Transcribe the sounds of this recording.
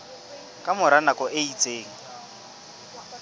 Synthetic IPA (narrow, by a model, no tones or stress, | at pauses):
kʼamʊɾanakʼɔʔeit͡sʼeːŋ̩